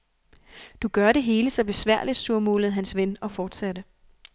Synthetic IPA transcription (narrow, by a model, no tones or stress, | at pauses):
d̥uɡ̥ɶɐɾe̝ɦe̝ːləsɒ̽b̥e̝sʋæɐ̰lid̥suɐ̰moːlð̩ˠɦænsʋenɒ̽fɒːd̥sæd̥ə